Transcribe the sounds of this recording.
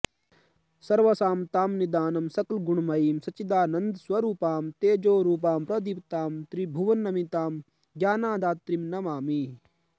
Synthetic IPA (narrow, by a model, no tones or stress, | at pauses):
sɐɾʋɐsaːmt̪aːmnid̪aːnɐmsɐklɡuɳmɐiːmsɐt͡ʃid̪aːnɐnd̪swɐɾuːpaːmt̪eːd͡ʒoːɾuːp̬aːmpɾɐd̪ipt̪aːmt̪ɾibʱuʋɐnːɐmit̪aːm | ɡjaːnaːd̪aːt̪ːɾimnɐmaːmi